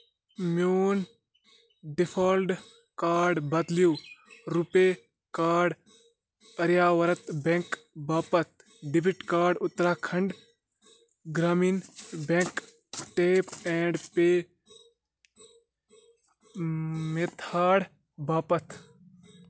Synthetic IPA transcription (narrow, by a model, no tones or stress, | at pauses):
mjuːn | ɖipʰaːlɖ | kaːɾɖbɐd̪ljuːɾupe | kaːɖ | ɐɾjaːʋɐɾɐt̪bẽŋkbaːpɐt̪̚ʰ | ɖibiʈkaːɾɖʊt̪ːɾaːkʰɐ̃ɳɖ | ɡɾaːmiːnbẽŋk | ʈeːpɛ̃ːɳɖpeː | met̪ʰaːɽ | baːpɐt̪ʰ